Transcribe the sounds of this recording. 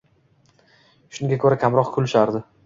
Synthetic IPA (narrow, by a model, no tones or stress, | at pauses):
ʃʊŋɡʲakʰɵɾakʲʰamɾɒqkʰʊlʊʃaɾd̪ɪ